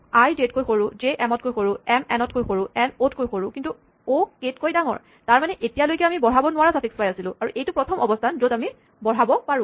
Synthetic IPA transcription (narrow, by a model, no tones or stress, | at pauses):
ajdet̚kojxoɹʊzeʔɛmɔt̚kojxoɹʊɛmɛnɔtkojxoɹʊɛnotkojxoɹʊkintu | oketkojdaŋɔ̰ɹ | taɹmanɛʔetijalojkɛamibɔɹ̤abɔnʊwaɹasapʰikspajasilʊ̃aɹuʔejtʊpɹɔtʰɔmɔbɔstʰanzodami | bɔɦabɔpaɹʊ̃